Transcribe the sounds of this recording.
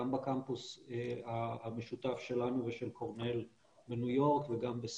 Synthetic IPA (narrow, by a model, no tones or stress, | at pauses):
ambakampusaame̞ʃutafʃe̞lanuveʃe̞lkʰoʁne̞l | benujo̞ʁkveɡambes